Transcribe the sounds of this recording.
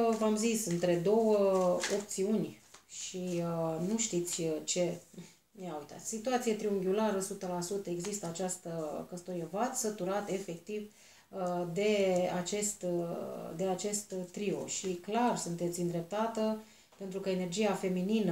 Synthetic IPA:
vamzisɨnt̪ɾe̞d̪o̞wəo̞p̚t̪siunʲʃiənuʃt̪it̪sʲt͡ʃe̞ | neawut̪a̰t̪sʲsit̪uat̪sijet̪ɾiuŋɡʲulaɾəsut̪əlasut̪əe̞ɡzist̪əat͡ʃast̪əkəst̪oɾievat̪sət̪uɾat̪e̞fe̞kt̪iv | əd̪e̞at͡ʃe̞st̪ | d̪e̞at͡ʃe̞st̪ːɾio̞̰ʃiklarsunt̪e̞t̪sʲɨnd̪ɾe̞p̚t̪at̪ə | pe̞nt̪ɾukəe̞ne̞rd͡ʒiafe̞mininə

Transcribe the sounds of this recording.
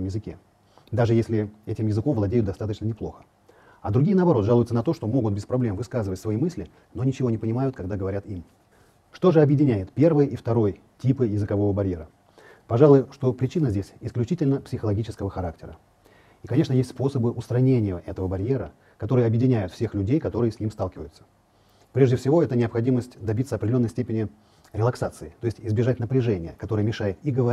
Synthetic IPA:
mjɪzɨkʲe̞̰ | d̪aʐɨjesʲlʲɪɛtʲɪmjɪzɨko̞mvlˠɐdʲejʊt̪d̪ɐst̪at̪ət͡ɕnənʲɪplˠo̞xə̥ | ɐd̪ɾʊɡʲiənəɐbɐɾo̞t̪ʐalˠʊjʊt̪ənɐt̪o̞ʂt̪o̞mo̞ɡʊt̪̚bʲɪspɾɐblʲemvɨskazɨvətʲsvɐimɨsʲlʲɪ | no̞nʲɪt͡ɕɪvo̞nʲɪpənʲɪmajʊt̪̚kɐɡ̚d̪aɡəvɐɾʲat̪im | ʂt̪o̞ʐɨɐbjɪdʲɪnʲæjɪt̪pʲe̞rvɨjʔift̪ɐɾo̞j | tʲipɨjɪzɨkɐvo̞vəbɐɾʲje̞ɾə | pɐʐalˠʊjʊʂt̪o̞pɾʲɪt͡ɕinəzʲdʲesʲɪsklʲʉt͡ɕitʲɪlʲnəpsʲɪxəlˠɐɡʲit͡ɕɪskəvəxɐɾak̚tʲɪɾə | ikɐnʲeʂnəjesʲtʲspo̞səbɨʔʊst̪ɾɐnʲenʲɪjəʔɛt̪əvəbɐɾʲje̞ɾə | kɐt̪o̞ɾɨjəɐbjɪdʲɪnʲæjʊt̪fsʲe̞xlʲʉdʲejkɐt̪o̞ɾɨjəsʲnʲimst̪alˠkʲɪvəjʊt̪sə̥ | pɾʲe̞ʐdʲɪfsʲɪvo̞ɛt̪ənʲɪɐpxɐdʲiməsʲtʲd̪ɐbʲit̪səɐpɾʲdʲɪlʲoːjsʲtʲepʲɪnʲɪ | ɾʲɪlˠɐksat̪sɨɪt̪o̞ɪsʲtʲɪzbʲɪʐatʲnəpɾʲɪʐɛnʲɪjəkɐt̪o̞ɾɨjəmʲɪʂajɪt̪iɡəvɐ

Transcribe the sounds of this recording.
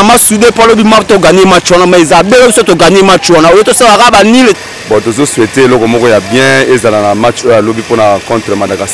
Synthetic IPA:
amasudepoalobimatoɡanemat͡ʃwanamaezabeobisotoɡanemat͡ʃwanaojotosalakabanil | bɔtozosweteelɔkɔmɔkɔjabjɛ̃ezalanamat͡ʃojalobiponakɔ̃tʁəmadakas

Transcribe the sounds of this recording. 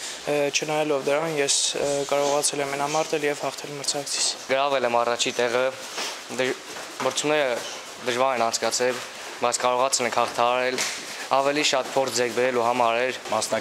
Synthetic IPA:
t͡ʃʰənɑjɑlɔvd̪əɾɑnjɛskɑɾɔʁɑt͡sʰɛlɛmːɛnɑmɑɾt̪ɛljɛvhɑχt̪ʰɛlməɾt͡sʰɑkət͡sʰi̥t͡sʰɡəɾɑvɛlɛmɑrɑt͡ʃʰit̪ɛʁə | məɾt͡sʰunɛɾə | d̪əʒvɑɾɛnɑnt͡sʰkɑt͡sʰɛl | bɑjt͡sʰkɑɾɔʁɑt͡sʰɛlɛŋkʰhɑχt̪ʰɑɑɾɛl | ɑvɛliʃɑt̪pʰɔɾt͡sʰd͡zɛkʰbɛɾɛluɦɑmɑɾɛlmɑsnɑ

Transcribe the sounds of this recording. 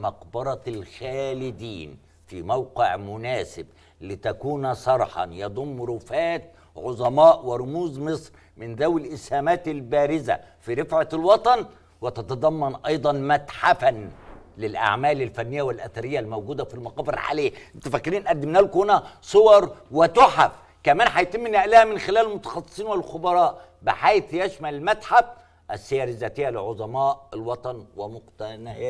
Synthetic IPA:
mɑqbɑɾˤɑlxæːlɪd̪iːn | fimæwqɪʕmʊnæːsɪb̚ | lɪt̪ækuːnsˤɑɾˤħɑ̰jɑd̪ˤʊmːɾʊfæːt̪̚ | ʕʊzˤɑmɑːʔwɪɾˤʊmuːzmɨsˤɾ | mɪnðæwɪlʔɪshæːmæːt̪ɪlbæːɾɪzæ̰fiɾɪfʕalwɑt̪ˤɑn | wɪt̪ɑt̪ɑd̪ˤɑmːɑnʔɑjd̪ˤɑnmæt̪ħafænlɪlʔa̰ʕmæːlɪlfænːɪjːæwɪlʔæθæɾɪjːælmowɡuːd̪æfilmɑqɑːbɪɾʕa̰leːʔɪnt̪æfækːɪɾiːnʔæd̪ːɪmnæːlkhʊnæsˤowɑɾˤwɪt̪oħaf | kæmæːnħajt̪ɪmːɪnːæʔlæhæmɪnxɪlæːllmʊt̪ɑ̥xɑsˤːɨ̥sˤiːnwɪlxʊbɑɾˤɑːʔ | bɪħajθjæʃmælɪlmæt̪ħab | ʔæsːɪjæːɾɪzæːt̪ɪjːælɪlʕod̪ˤɑmɑːʔɪlwɑt̪ˤɑnwɪmʊqt̪ænhː

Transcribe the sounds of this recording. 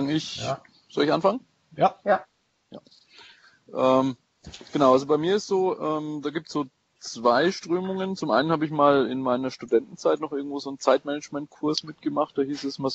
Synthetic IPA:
ŋɪç | z̥ɔlɪçʔa̰nfaŋə | j | ja̰ː | ʔɛːm | ɡ̥ənaʊʔalzobaɪmiːɐɪstz̥oːʔɛːmdaːɡiːp̚tsz̥oː | t͡sv̥aɪʃtʁ̥øːmʊŋənt͡sʊmʔa̰ɪnən̩haːbəɪçmaːlɪ̰nmaɪnɐʃtudɛntn̩t͡saɪtnɔχʔɪɐɡŋ̩tv̥oːzoːnt͡saɪtmɛnɛd͡ʒmɛnt̚kʰʊɐsmɪt̚ɡ̥əmaχt̚d̥aːhiːsɛsma

